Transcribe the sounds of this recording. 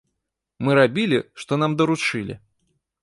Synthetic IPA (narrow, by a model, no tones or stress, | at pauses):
mɨɾabʲilʲiʂt̪ɔnamd̪ɐɾut͡ʂɨlʲḭ